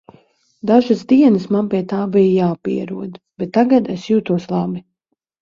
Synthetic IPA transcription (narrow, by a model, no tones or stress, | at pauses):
d̪aʒazd̪iɛnəsmanpiɛt̪aːbijjaːpḭɛɾuɔd̪b̥ɛt̪ːaɡad̪esjuːt̪uɔslˠɑbi